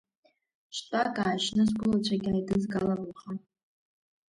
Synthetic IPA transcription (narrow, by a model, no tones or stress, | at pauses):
ʃʷtʼakʼaːʒnɨzɡʷʊlat͡ɕʷʰaɡʲajdɨzɡalablχa